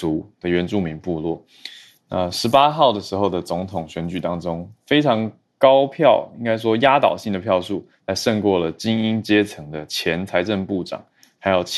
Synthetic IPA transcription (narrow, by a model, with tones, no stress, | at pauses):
u˧˥d̪̥ə˧ɥɛ˧˥nʈ͡ʂu˥˩mi˧˥ŋpu˥˧lwɔ˥˩ | na˥˩ʂɻ̩˧˥pa˥xɑ˥˩ʊd̪ə˩ʂɻ̩˧˥xo˥˩ʊd̪ə˩t͡sʊ˧˥ŋt̪ʰʊ˨˩ŋɕɥɛ˧˥nt͡ɕy˨˩t̪ɑ˥ŋʈ͡ʂʊ˥ŋfe˥ɪʈ͡ʂʰɑ˧˥ŋ | kɑ˥ʊpʰjɑ˥˩ʊi˥ŋka˥ɪʂ̬wɔ˥ja˥t̪ɑ˨˩ʊɕi˥˩ŋd̪ə˩pʰjɑ˥˧ʊʂu˥˩ | la˧˥ɪʂə˥˧ŋkwɔ˥˩lə˩t͡ɕi˥ŋi˥nt͡ɕjɛ˥t͡sʰɤ˧˥ŋd̪ə˧t͡ɕʰjɛ˧˥nt͡sʰa˧˥ɪʈ͡ʂə˥˧ŋpu˥˩ʈ͡ʂɑ̰˨˩˦ŋ | xa˧˥ɪjo˨˩ʊt͡ɕʰ